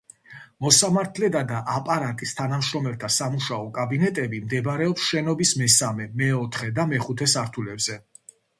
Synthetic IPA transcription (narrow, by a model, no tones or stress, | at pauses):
mɔsamaɾt̪ʰlɛd̪ad̪aʔapʼaɾat̪ʼist̪ʰanamʃɾɔmɛlt̪ʰasamuʃaɔkʼabinɛt̪ʼɛbimd̪ɛbaɾɛɔpsʃɛnɔbismɛsamɛmɛɔt̪ʰχɛd̪amɛχut̪ʰɛsaɾt̪ʰulɛbzɛ